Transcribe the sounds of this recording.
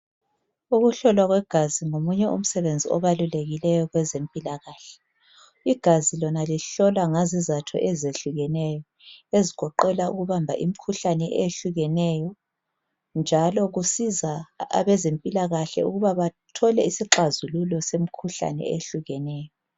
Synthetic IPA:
uɣuɬɔlwaɣwɛɡ̥ʱaziŋomuɲɛʔṵm̩sɛβend͡zʱiɔβaluleɣilɛjɔɣwɛzempʼilaɣaːɬɛ̥ | iɡ̥ʱazilɔnaliɬɔlwaŋazizatʰɔ̰ʔɛzeɬuɣɛnɛjɔ | eziɣ̥ʰʱɔǃɛlaṵɣuβambʱa̰ʔim̩kʰuɬanɛʔeɬuɣɛnɛjɔ | nd͡ʒʱalɔɣusizaa̰βɛzempʼilaɣaɬɛ̰uɣuβaβatʰɔlɛisiǁazululɔsem̩kʰuɬa̰nɛ̰ḛɬuɣɛnɛːjɔ

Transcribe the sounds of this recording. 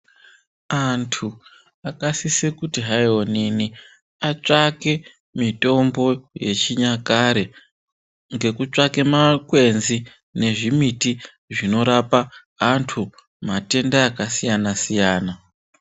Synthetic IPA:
antʰu | akasisekutiɦajonini | at͡ʂake̞ | mito̞mbo̞je̞t͡ʃiɲakaɾe | ŋɡe̞kut͡ʂake̞makwe̞nzi | ne̞ʐimiti | ʐino̞ɾapaː | ntʰu | mate̞ndaːkasijanasijaːna

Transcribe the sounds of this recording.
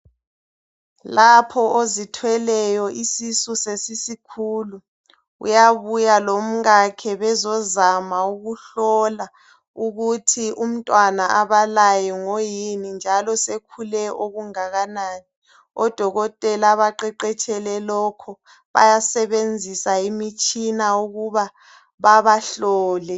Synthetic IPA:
lapʰɔʔozitʰwɛlɛjɔʔisisusesisikʰuːlu | ṵjaβujalom̩ɣakʰɛβɛzɔzamauɣuɬɔla | uɣutʰiʔum̩tʼwanaʔaβalajɔŋojinind͡ʒʱalɔsekʰulɛoɣuŋaɣanaːni | ɔd̥ʱɔɣɔtʼɛlaβaǃɛǃɛt͡ʃʰʼɛlɛlɔkʰɔ | βa̰jasɛβend͡zʱisaimit͡ʃʼinauɣuβa | βaβaɬɔːlɛ

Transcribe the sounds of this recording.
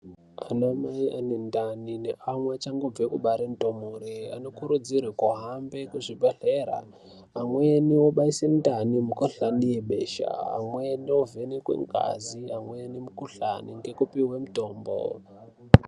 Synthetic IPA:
anomaiʔanendaninḛʔamwat͡ʃaŋɡob͡vekuɓaɾentomuɾia̰no̞kuɾud͡zirwekuɦambe̞kuʐibʱeɬeɾa̰ː | mweniwoɓaisendanimukuɬanijeɓe̞ːʃa̰ːmweniwovenikwḛŋɡa̰ziamwenimukuɬa̰niŋɡe̞kupiwe̞muto̞ːmbo̰

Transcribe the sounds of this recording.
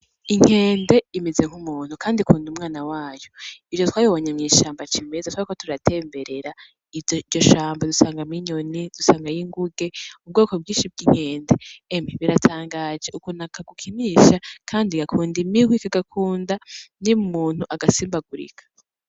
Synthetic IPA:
iŋ̥he̞ːnde̞imeze̞ŋ̥humuːn̥hukaːndikʰuːndumŋaːnawaːjoid͡ʒotwaːjoβoɲemŋiːʃaːmbat͡ʃimezatwaɾikotuɾatʰe̞ːmbe̞ɾe̞ɾa | io̞ʃaːmbadusaːŋɡamiɲo̞nid̥usaːŋɡajiŋɡuɡe̞ub̚ɡo̞ːko̞b̚ɡiːnʃib̚ɡiŋ̥he̞ːnde̞ːmiβiɾatʰaːŋɡaːd͡ʒeukunakʰaɡukʰimiːʃakʰaːndiɡakʰuːndimiɡwikaɡakʰuːndanimumuːn̥huʔaɡasiːmbaɡuɾḭkʰḁ

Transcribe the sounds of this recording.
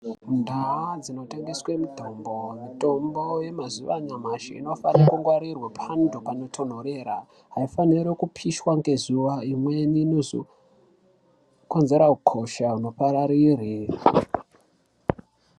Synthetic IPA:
ndʱawad͡zino̞teŋɡiswemidʱo̞mbo̞mito̞mboje̞mazuʋa̰ɲamaʃḭḭno̞fanekuŋɡwaɾirwepʰandupano̞tʰo̞n̤oɾe̞ːɾa | ɦaifaniɾekupʰiʃwaŋɡe̞zuʋaimweninozo̰ | ko̞nze̞ɾaukʰo̞ʃauno̞paɾaɾiːri

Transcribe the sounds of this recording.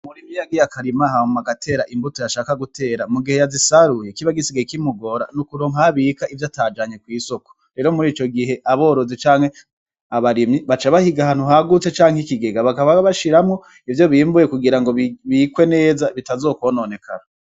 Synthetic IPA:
muɾimijaɡijakʰaɾimahaumaɡatʰe̞ːɾaʔimbutojaʃaːkaɡute̞ːɾamuɡihe̞jazisaɾujekiβaɡisiɡaikimuɡo̞ɾa̰nukuɾo̞ːŋɦaβikaivjataːd͡ʒaɲe̞kwiːso̞ko | ɾe̞ːɾo̞muɾiːt͡ʃo̞ɡiɦe̞ʔaβo̞ːɾo̞zet͡ʃaːŋhe̞ | aβaɾimɲiβat͡ʃaβahiɡahaːn̥uɦaɡut͡se̞t͡ʃaːŋhikiɡe̞ɡaβakaβaβaʃiɾamŋo̞ | ivjo̞βiːmbuje̞kuɡiɾaŋɡo̞βikwe̞ne̞ːzaβitazoːkwoːnoːne̞kʰa̰ɾa

